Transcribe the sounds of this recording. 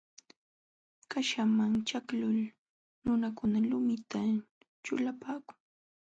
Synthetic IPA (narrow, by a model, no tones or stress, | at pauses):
kaʃamaŋt͡ʃaklʊl | nʊnakʊnalʊmɪt̪a | t͡ʃʊ̰lapaːkʊ̥ŋ